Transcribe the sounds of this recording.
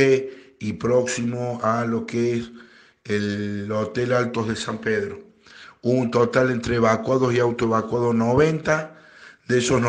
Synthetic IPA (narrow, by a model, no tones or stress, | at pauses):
eipɾoksimoalo̞kees | elot̪elalt̪oðesampeðɾo | uont̪ot̪alent̪ɾeeβakwaðosiawt̪oeβakwaðosnoβent̪a | d̪esosn